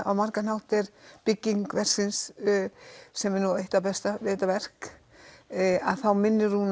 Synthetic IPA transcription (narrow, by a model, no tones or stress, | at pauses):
awmaɾkanawht̪ɛɾpɪcːiŋkvɛr̥sɪns | sɛmɛɾnueht̪apɛst̪avɛːt̪avɛr̥k | aðθawmɪnːɪɾ̥hun